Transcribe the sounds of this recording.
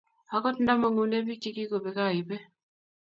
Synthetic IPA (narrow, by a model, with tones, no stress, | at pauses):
a˦kɔ˦tn̩˦da˦ma˨ŋu˨ne˦bi˦t͡ʃi˦ki˦ko˨be˨ka˦˨ɪ˨pe˦